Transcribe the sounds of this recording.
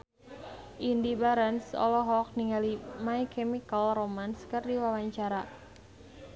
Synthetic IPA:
ʔindibaɾansɔ̰lɔɦɔk̚niŋalimaikɛmikəlromanskɨrdiwawaɲt͡ʃaɾa

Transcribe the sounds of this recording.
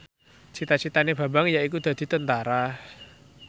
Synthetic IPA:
t͡ʃʰit̪at͡ʃʰit̪aneb̥a̤baŋjaikud̪̥a̤d̪̥i̤t̪ənt̪aɾa

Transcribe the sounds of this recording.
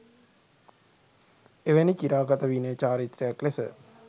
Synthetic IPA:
eʋenikiɾaːɡat̪əʋinəət͡ʃaːɾit̪ɾəjaklesə̰

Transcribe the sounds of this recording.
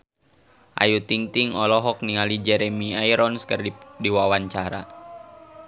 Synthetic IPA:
ʔa̰jut̪iŋt̪iŋɔlɔɦɔk̚niŋalid͡ʒɛɾɛmiaiɾɔnskərdiwawaɲt͡ʃaɾa

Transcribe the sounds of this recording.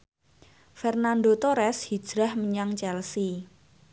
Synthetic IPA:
fɛrnand̪ot̪oɾɛshi̥d͡ʒ̥ɾa̤hməɲaŋt͡ʃɛlsi

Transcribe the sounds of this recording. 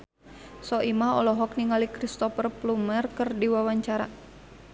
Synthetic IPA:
sɔʔimaɔlɔɦɔk̚niŋalikɾist̪ɔfərplumərkərdiwawaɲt͡ʃaɾa̰

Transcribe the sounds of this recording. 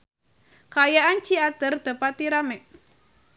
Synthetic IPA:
kaːjaʔant͡ʃiad̪̥ə̤rd̪̥a̤pat̪iɾamɛʔ̚

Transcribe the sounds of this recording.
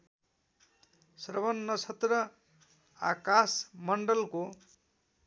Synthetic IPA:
sʌɾbʌnːʌt͡sʰʌt̪rʌ | akasmʌɳɖʌlko

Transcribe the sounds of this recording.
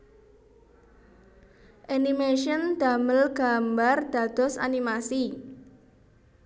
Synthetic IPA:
ʔanimeʃənd̪̥a̤məlɡ̥a̤mbard̪̥ä̤d̪̥ɔ̤sa̰nimasi

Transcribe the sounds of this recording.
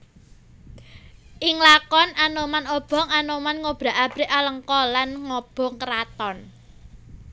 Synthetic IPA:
ʔɪŋlakɔnanomanɔb̥ɔ̤ŋanomanŋob̥ɾa̤ʔab̥ɾɪ̤ʔaləŋkɔlanŋɔb̥ɔ̤ŋkəɾat̪ɔn

